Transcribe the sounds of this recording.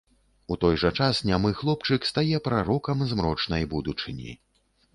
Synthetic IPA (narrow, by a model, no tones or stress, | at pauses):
ut̪ɔjʐɐt͡ʂasnʲamɨxlˠɔp̚t͡ʂɨkst̪ajɛpɾaɾɔkɐmzmɾɔt͡ʂnɐjbud̪ut͡ʂɨnʲḭ